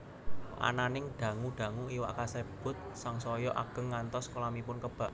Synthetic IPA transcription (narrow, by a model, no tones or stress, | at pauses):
ʔa̰nanɪŋɖ̥ä̤ŋuɖ̥a̤ŋuiwa̰ʔkaseb̥ʊ̤t̪̚saŋsɔjɔʔa̰ɡ̥ə̤ŋːant̪ɔskolamipʊnkəb̥a̤ʔ